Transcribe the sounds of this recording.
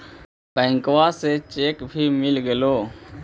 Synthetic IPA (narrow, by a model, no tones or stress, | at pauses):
pɛ̃ːŋkʋaːseːt͡ʃeːkbʱiːmɪlɡəloː